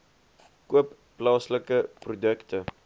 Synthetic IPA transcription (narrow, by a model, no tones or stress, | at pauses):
kuəpːlɑːsləkəprodəktə